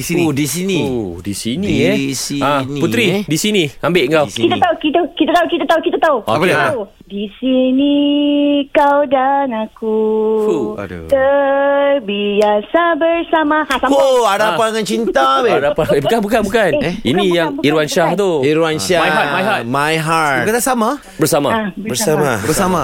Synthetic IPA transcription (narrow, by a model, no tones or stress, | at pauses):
sidisinidisiniɛiãnput̪ɾidisinĩambeʔŋkawkit̪at̪aukit̪akit̪at̪aukit̪at̪aukit̪at̪auaau | disini | kawdanaku | t̪ərbiasabərsamãasaoadapaŋant͡ʃint̪aadapaebukanbukanbukanḭnĩjaŋiɾuanʃaht̪uiɾuanʃamajat̪̚majɦat̪majɦaukat̪asama | bəɾsama̰abəbəamabəsama